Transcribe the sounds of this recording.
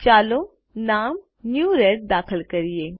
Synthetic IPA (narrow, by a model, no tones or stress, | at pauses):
t͡ʃaːlo | naːm | njuːɾeʈ̚d̪aːkʰəlkɐɾieː